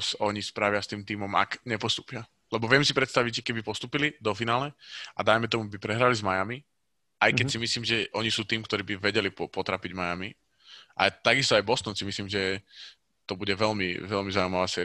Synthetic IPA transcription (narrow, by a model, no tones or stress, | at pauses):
sɔɲispɾaʋɪast̪iːmt̪iːmɔma̰kɲɛpɔst̪uːpɪa | lɛbɔʋɪɛmsipɾɛt̪st̪aʋiɟʒɛkɛbipɔst̪uːpilid̪ɔfinaːlɛad̪ajmɛt̪ɔmubipɾɛɦɾalizmajami | ʔajkɛsimisliːmʒɛʔɔɲisuːt̪iːmkt̪ɔɾiːbiʋɛɟɛlipɔpɔt̪ɾaːpiɟmajami | ʔa̰t̪aɡist̪ɔajbɔst̪ɔnsimisliːmʒɛ | t̪ɔbuɟɛʋɛlmḭʋɛlmizaumaʋaːsɛ